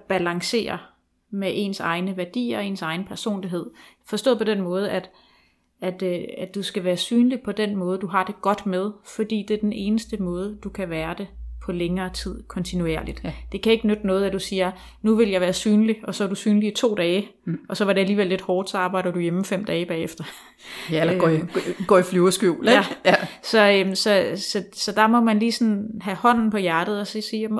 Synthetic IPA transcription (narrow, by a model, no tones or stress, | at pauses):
b̥ælɑ̈ŋse̝̰ːɐ | meʔe̝̰nsɑ̈ɪnəʋæɐd̥ḭːɐɒe̝nsɑ̈ɪn̩pʰæɐso̝̰ːnliɦe̝ð̞̰ˠfɒ̽sd̥ɔ̰ːð̰ˠpʰɒ̽d̥en̰mɔ̽ːð̞ˠæd̥ | æd̥æd̥usɡ̥æʋæːɐsyːnlipʰɒ̽d̥en̰mɔ̽ːð̞ˠəd̥uɦɑ̈d̥e̝ɡ̥ɒ̽d̥með̞ˠfɒd̥ḭːd̥e̝ɐd̥ene̝ːnəsd̥əmɔ̽ːð̞ˠəd̥ukʰæʋæːɐd̥e̝pʰɒ̽leŋɐːt͡sʰið̞̰ˠkʰɒ̽nt͡sʰinue̝̰ɐlid̥d̥e̝kʰæe̝ɡ̥ənød̥nɔ̽ːð̞̩ˠæd̥usiːɐ | nuʋe̝ljɑ̈ʋæːɐsyːnliɒ̽sɒ̽ʋæɐdusyːnliːt͡sʰo̝̰ːd̥ɛːʔɒ̽sɒ̽ʋɑ̈ɾe̝æliːʋelːe̝d̥hɒːd̥sɒɑ̈ːb̥ɑ̈ɪ̰d̥ɐd̥ujeməfem̰d̥ɛːb̥ɛ̰ːefd̥ɐ | l | ɡ̥ɒ̰ːifloːɐsɡ̥uʊlæsɒ̽msɒ̽sɒ̽sɒ̽d̥ɑ̈mɒ̽mænliːsɒ̽nɦæhɒ̽n̰n̩pʰɒ̽jæɐd̥ð̞̩ˠɒ̽sisiːjm